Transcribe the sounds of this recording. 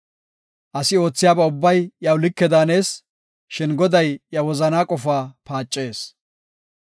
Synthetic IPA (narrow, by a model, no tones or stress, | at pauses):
ʔɐsɪo̞ːt͡sːɪjaːbɛʊbːɐjjɐwlɪkːɛd̪aːne̞ːs | ʃɪnɡɔd̪ɐjjɐwɔzɐnaːkʼɔfaːpaːt͡ʃʼːe̞ːs